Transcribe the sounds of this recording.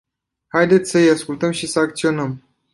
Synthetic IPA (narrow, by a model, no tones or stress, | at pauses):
hajd̪e̞t̪sʲsəijaskult̪əmʃisəakt̪sio̞nəm